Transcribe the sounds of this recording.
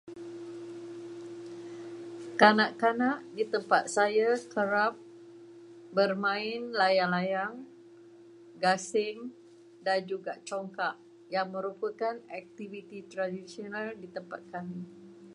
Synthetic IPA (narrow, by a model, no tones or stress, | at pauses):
kanaʔkanaʔdit̪əmpat̪̚sajakəɾap̚ | bərmãɪnlajaŋlajaŋ | ɡasɪŋ | dand͡ʒuɡaʔt͡ʃoŋkaʔ | jaŋmə̃ɾupəkanɛk̚t̪ivit̪it̪ɾadisionaldit̪əmpa̰t̪̚kani